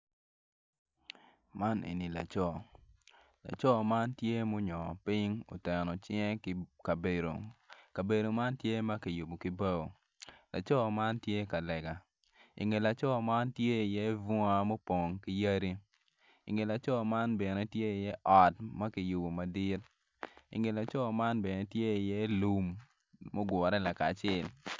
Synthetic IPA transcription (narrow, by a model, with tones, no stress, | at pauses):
ma˦nʔḛ˨ni˨la̰˨t͡ʃɔ˦˨ | la̰˨t͡ʃɔ˦ma˦ntje˦mo˦ɲɔ˨pi˦ŋo̰˨tɛ˨nɔ˨t͡ʃjɛ˦kka˨be˨ɾo̰˨ka˨be˨do˨ma˦ntje˦mɐ˦ki˨ju˨bo˨ki˦ba˦o̰˨ | la˨t͡ʃɔ˦˨ma˦ntje˦ka˨lɛ˨ɡa˨ | ḭ˨ŋe˨la˨t͡ʃɔ˦˨ma˦ntje˦i˨jɛ˦vɔ˦a˦mo˦po˨ŋki˦ja˦ɾi˦ | ḭ˨ŋe˨la˨t͡ʃɔ˦˨ma˦nbe˨ne˨tje˦i˨jɛ˦ʔɔ˨tmɐ˦ki˨ju˨bo˨ma˨di˦t̚ | ḭ˨ŋe˨la˨t͡ʃɔ˦˨ma˦nbe˨ne˨tje˦i˨jɛ˦lu˨mː | o˦ɡwɔ˨ɾɛ˦la˨ka˨t͡ʃɪ˦˨l